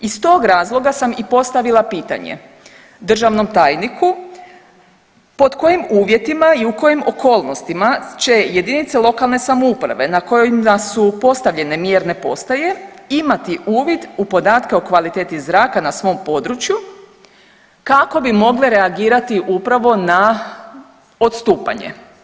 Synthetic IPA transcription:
ist̪o̞ːɡɾaːzlˠo̞ɡasamipo̞st̪aʋilˠapiːt̪a̰ɲḛ | d̪r̩ʒaʋno̞mt̪aːjniku | po̞d̪ko̞jimuːʋje̞t̪imaiuko̞jimo̞ko̞ːlˠno̞st̪imat͡ɕe̞je̞d̪init̪selˠo̞kalˠne̞samoupɾa̰ʋe̞nako̞joimasupo̞st̪aʋʎe̞ne̞mjeɾne̞po̞̰st̪aje̞imat̪iʔuːʋid̪upo̞d̪aːt̪keo̞kʋalit̪eːt̪izɾaːkanasʋo̞mpo̞d̪ɾut͡ʃju | kako̞bimo̞ɡleɾe̞aɡiːɾat̪iʔupɾaʋo̞na | ot̪st̪uːpa̰ɲḛ

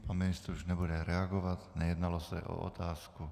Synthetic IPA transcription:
panminist̪ɾuʒɲɛbuɟɛɾɛaɡɔʋaɟnɛjɛd̪nalɔsa̰ʔɔ̰ɔ̰t̪aːsku

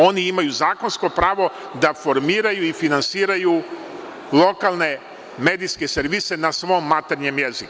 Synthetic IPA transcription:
o̞niimajuzaːko̞nsko̞pɾaːʋo̞ | d̪afo̞ɾmiːɾajuifinansiːɾaju | lˠo̞kalˠne̞ | meːd̪iske̞seɾʋiːse̞nasʋo̞ːmːat̪eɾɲemjeziku

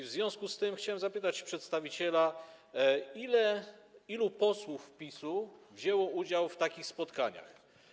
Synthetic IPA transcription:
vzvʲjɔ̃w̃skust̪ɘɛmxt͡ɕawɛmzapɘt̪at͡ɕpʂɛt̪st̪avʲit͡ɕɛla | ilɛilupɔswufːpʲisuvʑɛwɔud͡ʑawft̪akʲixspɔt̪kaɲa̰x

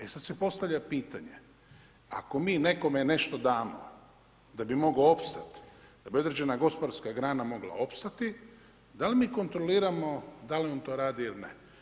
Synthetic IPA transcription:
esad̪sepo̞st̪aʋʎapiːt̪aɲe | a̰ko̞miːne̞ko̞mene̞ʃt̪o̞d̪aːmo̰ | d̪abimo̞ɡloo̞pst̪at̪d̪̥abio̞d̪ɾed͡ʑe̞naɡo̞spod̪aɾskaɡɾaːnamo̞ɡla̰o̞pst̪at̪i | d̪alimiːko̞nt̪ɾo̞liːɾamo̞d̪aliont̪o̞ːɾaːd̪iilnḛ

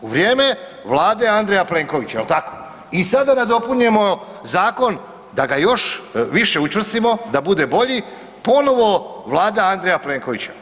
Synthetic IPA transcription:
uʋɾʲjeːme | ʋlˠaːd̪e̞and̪ɾe̞japle̞ːŋko̞ʋit͡ɕaelt̪ako̥ | isad̪anad̪o̞puɲe̞mo̞ | zaːko̞n | d̪aɡajo̞ʃʋiʃe̞ut͡ʃʋr̩st̪imo̞d̪abud̪e̞bo̞ʎi | po̞no̞ʋo̞ʋlˠaːd̪aand̪ɾejaple̞ːŋko̞ʋit͡ɕḁ

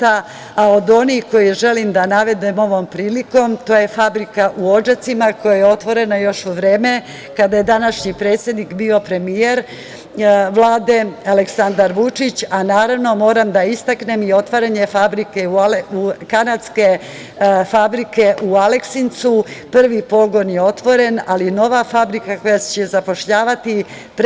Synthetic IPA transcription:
t̪a | ao̞d̪o̞nixko̞jiʒe̞limd̪anaʋe̞d̪emo̞ʋo̞mpɾiːliko̞mt̪o̞ːje̞fabɾikaʔuo̞d͡ʒat̪simako̞jajeo̞t̪ʋo̞ɾe̞najo̞ʃuʋɾe̞ːme̞ | kad̪aje̞d̪anaʃɲipɾe̞ːt̪sjed̪nikbiːo̞pɾe̞mijeɾ | ʋlˠaːd̪e̞aleksand̪aɾʋut͡ʂit͡ɕanaːɾaʋno̞mo̞ːɾamd̪aist̪akne̞mio̞t̪ʋaɾaɲe̞fabɾike̞ulukanad̪ske̞ | fabɾike̞ʔualeksint̪supr̩ʋipo̞ɡo̞njeo̞t̪ʋo̞ɾe̞nalino̞ʋafabɾikako̞jast͡ɕezapo̞ʃʎaːʋat̪i | p

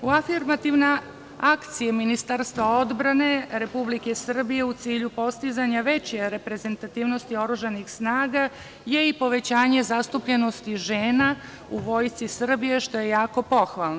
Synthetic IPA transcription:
uafiɾmat̪iʋne | akt̪sijeminist̪aɾst̪ʋao̞d̪bɾane̞ɾe̞publike̞sr̩bije̞ut̪siːʎupo̞st̪izaɲaʋe̞t͡ɕeɾe̞pɾe̞ze̞nt̪at̪iːʋno̞st̪io̞ɾuʒanixsnaːɡa | je̞ipo̞ʋe̞t͡ɕaːɲe̞zast̪upʎe̞no̞st̪iʒeːna | uʋo̞ːjt̪sisr̩bije̞ʃt̪o̞je̞jaːko̞po̞xʋalˠno

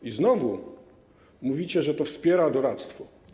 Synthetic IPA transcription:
iznɔvu | muvʲit͡ɕɛʐɛt̪ɔfspʲjɛɾad̪ɔɾat̪st̪fɔ

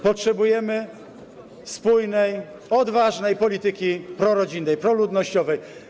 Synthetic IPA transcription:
pɔtʂɛbujɛmɘ | spujnɛj | ɔd̪vaʐnɛjpɔlʲit̪ɘkʲipɾɔɾɔd͡ʑinːɛjpɾɔlud̪nɔɕt͡ɕɔvɛj

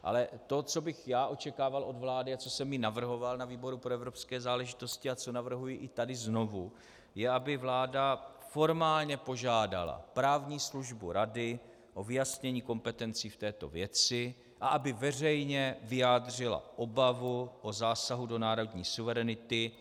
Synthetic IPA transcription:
ʔa̰lɛt̪o̞t͡so̞bɪxjaːʔo̞t͡ʃɛkaːvalʔo̞dvlaːdɪat͡so̞sɛmjɪnavr̩ɦo̞valnaviːbo̞ɾupɾoɛvɾo̞pskɛːzaːlɛʒɪt̪o̞scɪat͡so̞navr̩ɦujɪʔɪt̪adɪzno̞vu | jɛabɪvlaːdafo̞ɾmaːlɲɛpo̞ʒaːda̰la̰pɾaːvɲiːsluʒbuɾadɪ | ʔo̞vɪjasɲɛɲiːko̞mpɛt̪ɛnt͡siːft̪ɛːt̪o̞̰vjɛt͡sɪ | ʔaʔabɪvɛrɛjɲɛvɪjaːd̪r̝ɪla̰ʔobavuʔozaːsaɦudo̞naːɾo̞dɲiːsuvɛɾɛnɪt̪ɪ

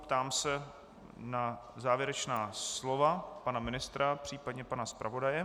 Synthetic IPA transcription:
pt̪aːmsɛ | nazaːvjɛɾɛt͡ʃnaːslo̞vapanamɪnɪst̪ɾapr̥iːpadɲɛpanaspɾa̰vo̞dajɛ

